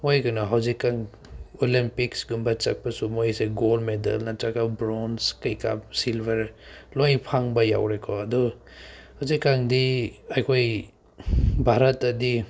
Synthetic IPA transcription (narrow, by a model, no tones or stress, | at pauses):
mojkanaɦawzikːaŋ | olimpiksɡumbat͡ʃa̰k̚pɐsumojseɡolmedɐ̰lnatakabɾonskɐjka̰psilbʱeɾlojpʰaŋbɐja̰wɾekʰɔɐdɔ | hawzikːaŋdiajkʰoj | bʱaɾɐtɐdi